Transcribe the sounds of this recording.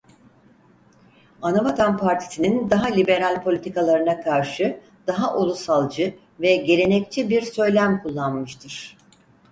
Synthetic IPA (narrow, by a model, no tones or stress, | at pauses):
anabat̪ʰanpʰaɾt̪ʰi̥sinind̪aɦalʲibe̞ɾalʲpʰo̞lʲit̪ikʰalˠaɾɯnakʰaɾʃɯ | d̪̥aɦaʔolˠusalˠd͡ʒɯ | vɛɟe̞ɾʲe̞nɛc̚t͡ʃʰibiɾsø̞jlʲæmkʰulˠːanmɯʃt̪ʰɯɾ̥